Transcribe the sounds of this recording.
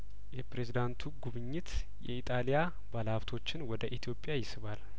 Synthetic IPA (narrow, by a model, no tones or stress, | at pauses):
jɛpɾe̞zid̪ant̪ʰuɡuβɨɲːɪt̪ | jɛ̰it̪ʼalija | balaβt̪ʰo̞t͡ʃːɪnwɔd̪əʔit̪ʰijo̞pʼːjajɪsɨβal